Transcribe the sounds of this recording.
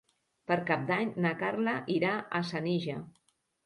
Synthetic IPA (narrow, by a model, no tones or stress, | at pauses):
pəɾkap̚d̪aɲnakarləʔiɾaʔəsəniʒə